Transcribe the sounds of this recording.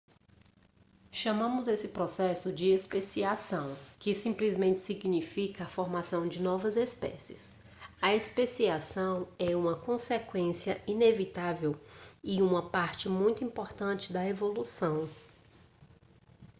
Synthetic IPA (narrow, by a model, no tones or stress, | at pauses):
ʃɐmɐ̃mʊzesɪpɾɔsɛsʊd͡ʒɪespesiasɐ̃w̃kɪsĩplizmẽnt͡ʃɪ̥siɡnifikɐfoɾmasɐ̃w̃d͡ʒɪnɔvɐzespɛ̰sɪs | ɐespesiasɐ̃w̃ɛũmɐkõsekwẽsiɐinevit̪avewiũmɐpaɾt͡ʃɪmũj̃t̪ʊĩpoɾt̪ɐ̃t͡ʃɪd̪ɐevolusɐ̃w̃